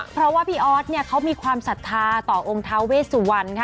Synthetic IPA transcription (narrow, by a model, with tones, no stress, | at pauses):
pʰɾɔ˦˥waː˥˩pʰiː˥˩ʔɔː˦˥t̪̚ni˥˩ɐkʰa˦˥wmiː˧kʰwaː˧msa˨˩t̪ʰːaː˧t̪ɔː˨˩ʔo˧ŋt̪ʰa˦˥wweː˥˩suː˨˩wa˧nkʰa˦˥